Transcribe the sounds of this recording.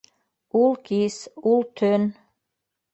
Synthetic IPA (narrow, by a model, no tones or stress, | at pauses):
ulkisult̪ʰøn